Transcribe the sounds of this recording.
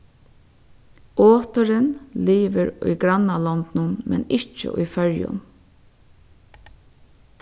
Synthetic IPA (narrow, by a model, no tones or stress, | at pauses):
ʔoːt̪əɾənliːʋəɾʊ̰jɡɾanalɔnt̪nʊnmɛ̰nɪt͡ʃə̰ʔʊ̰jfœɹjʊ̰n